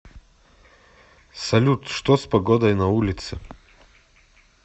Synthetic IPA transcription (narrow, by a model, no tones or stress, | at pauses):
sɐlʲut̪ʂt̪ospɐɡɔd̪ɔjnɐulʲɪt̪sɨ